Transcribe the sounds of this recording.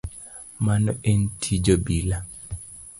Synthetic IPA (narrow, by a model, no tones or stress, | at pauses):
manɔʔentʰid͡ʒɔbila